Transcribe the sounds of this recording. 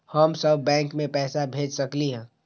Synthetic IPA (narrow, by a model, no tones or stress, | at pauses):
həmsəbʱːɛ̃ːŋkmẽpɛːsabʱeːd͡ʒsəkliɦɛ̃ː